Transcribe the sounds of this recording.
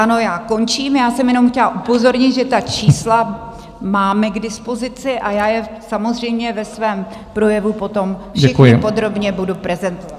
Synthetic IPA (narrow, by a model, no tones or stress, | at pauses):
ʔano̞jaːko̞nt͡ʃiːmjaːsɛmjɛno̞mxcɛlaʔupo̞zo̞ɾɲɪt̪ʒɛt̪at͡ʃiːsla | maːmɛɡdɪspo̞zɪt͡sɪʔajaːjɛsamo̞zr̝ɛjmɲɛvɛsvɛːm | pɾo̞jɛvupo̞t̪o̞mfʃɪxɲɪpod̪ɾo̞bɲɛbudupɾɛzɛnt̪oa